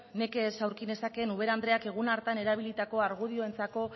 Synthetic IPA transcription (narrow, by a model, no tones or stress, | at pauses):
ne̞kesawɾkine̞sakenuβ̞e̞ɾand̪ɾe̞ake̞ɣ̞unaɾt̪ane̞ɾaβ̞ilit̪ako̞aɾɣuðio̞e̞nt͡sako̞